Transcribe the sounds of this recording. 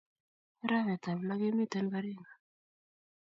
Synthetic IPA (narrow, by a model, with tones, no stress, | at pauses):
ɾa˦βɛ˨ta˨βla˦ke˦mi˦˨ta˨˦ni˦ka˦ɾi˦˨ŋɡa˨